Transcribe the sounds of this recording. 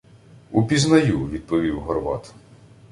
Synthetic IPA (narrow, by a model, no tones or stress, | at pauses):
upʲiznɐjuʋʲid̪̚pɔʋʲiwɦɔrʋɑ̰t̪